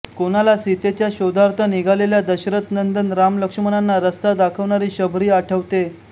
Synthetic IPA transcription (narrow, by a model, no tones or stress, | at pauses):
koɽ̃alasit̪et͡ɕjaɕod̪ʱaɾt̪ʰəniɡʱaleljad̪əɕɾət̪nənd̪ənɾamləkʂəmənanːaɾəst̪ad̪akʰəʋɳaɾiːɕəbʱɾiːaʈʰəʋt̪e